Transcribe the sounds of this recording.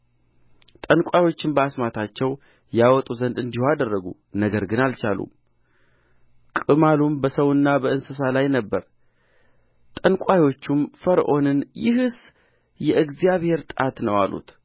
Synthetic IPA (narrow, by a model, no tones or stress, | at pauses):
t̪ʼənkʷʼajwo̞t͡ʃːɪnbəasmat̪ʰat͡ʃːɛw | jawɔt̪ʼuzənd̪ɨnd̪ihuad̪ərːəɡṵ | nəɡəɾɡɨnalt͡ʃalṵ | kʼɨmalumbəsəwɨnːabəɨnsɨsalajnəbːəɾ | t̪ʼənkʷʼajwo̞t͡ʃːumfəɾʔo̞nɨnjɪɦɨs | jɛʔɨɡzijaβhe̞ɾt̪ʼat̪nəwa̰lṵt̪